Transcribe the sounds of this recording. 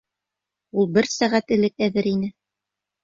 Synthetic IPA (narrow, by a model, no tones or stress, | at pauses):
ulˠbɘɾsæʁæt̪ɘ̆lɘkæðɘɾinɘ